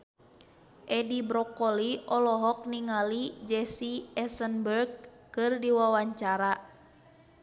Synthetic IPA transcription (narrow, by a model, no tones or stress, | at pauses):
ʔɛdibɾɔkɔliɔlɔɦɔk̚niŋalid͡ʒɛsiɛsənbərɡ̚ | kɨrdiwawaɲt͡ʃaɾa